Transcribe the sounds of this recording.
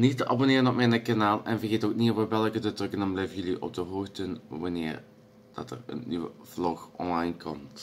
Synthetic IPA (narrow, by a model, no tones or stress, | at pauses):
nitəʔabonɪːrənɔpmɛjnəkanaːlˠɛnvərɣeːtoːknivəbɛlˠkədətrɵkənamblɛjvənjɵliʔɔ̰b̚dəɦoːxtənʋanɪ̰ːr | d̥ɑ̰tə̰rə̰nːiʋə̰v̥lɔxʔɔ̰nlɑjnkʰɔmt